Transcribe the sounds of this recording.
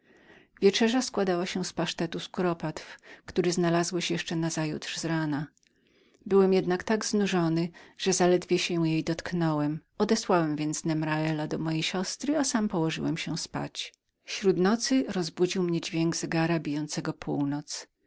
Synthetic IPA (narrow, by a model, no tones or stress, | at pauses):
vʲjɛt͡ʂɛʐaskwad̪awaɕɛspaʂt̪ɛt̪uskuɾɔpat̪fkt̪uɾɘznalazwɛɕjɛʂt͡ʂɛnazajṵt̪ʂzɾana | bɘwɛmjɛd̪nakt̪aɡznuʐɔnɘʐ̥ɛzalɛd̪vʲjɛɕɛjejd̪ɔt̪knɔwɛmɔd̪ɛswawɛmvʲjɛnt̪snɛmɾaɛlad̪ɔmɔjejɕɔst̪ɾɘasampɔwɔʐɘ̰wɛmɕɛspa̰t͡ɕ | fɕɾud̪nɔt̪sɘɾɔzbud͡ʑiwmɲɛd͡ʑvʲjɛŋɡz̥ɛɡaɾabʲijɔnt̪sɛɡɔpʰuwnɔt̪s